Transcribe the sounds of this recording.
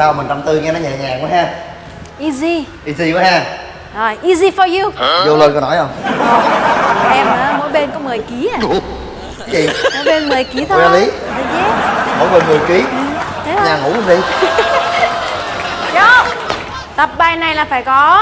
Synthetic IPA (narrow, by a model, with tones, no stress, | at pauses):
saː˧wma˨˩ŋt͡ɕɔ˧mt̪ɨ˧ŋɛ˧nɔ˨˦ɲɛ˨˩ɲaː˨˩ku˨˦ɦaː˧ | ʔi˧zi˧ | ʔi˧zi˧kɔ˨˦haː˧˩ | zo˨˩jʔi˧zi˧fɔ˨˧ju˧zo˧ləː˧nkɔ˨˦nɔ˨˦jhə˧wŋ͡mwɔ˨˧˦ʔɛ˧məː˧˨˦mo̰˧˦jɓe˧nkɔ˨˦mɨ˨˩əjki˨˦ə˨˧˩ | t͡ɕḭ˨mo˨˦ɓe˧nmɨ˨˩jki˨˦t̪ʰo˧a˧˨˧li˨˦ | ɗɨ˨˦ɛ˨˦˥mo̰˧˦jɓe˧˩nmɨ˨˩əjki˨˦ʔɨ˧˩t̪ʰe˨˦ɲaː˨˩ŋṵ˨˧˩ku˨˦vḭ˧˨ | zɔ˨˦ | t̪ə˨˩p̚ɓaː˧jna˨˩jlaː˨˩faː˧˩jkɔ˨˦